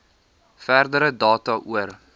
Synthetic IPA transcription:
færdəɾədɑːtɐʔuər

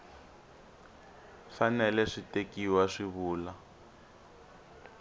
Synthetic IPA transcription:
fanɛlɛʂitekiwaʂiβuːla

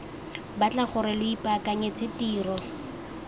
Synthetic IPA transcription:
bat͡ɬaχʊɾɛlʊipʼakʼaɲet͡sʰetiːrɔ

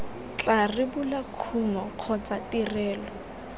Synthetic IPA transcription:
t͡ɬarɪbʊlakʰuŋɔq͡χʰɔt͡satirɛːlɔ

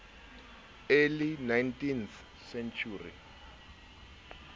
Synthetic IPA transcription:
elinajntinθ | sɛnt͡ʃʰuːrḭ

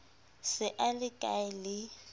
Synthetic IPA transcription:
sɪʔalɪkʼaɪlɪ

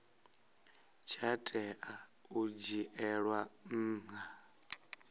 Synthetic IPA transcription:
t͡ʃʰatʼɛʔaud͡ʒiʔɛɺwan̩ːŋa

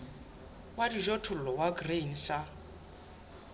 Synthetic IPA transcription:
wadiʒɔtʰʊl̩lɔwaɡren̩ʃa

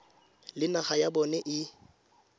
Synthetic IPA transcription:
lɪnaχajabɔnɛʔɪ

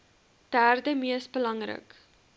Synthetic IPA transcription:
d̥æːrdəmiəsbəlɐŋrə̰k

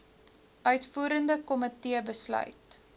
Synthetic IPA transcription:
ʔœɥtfuːɾəndəkɔmətiəbəslœ̰ɥt

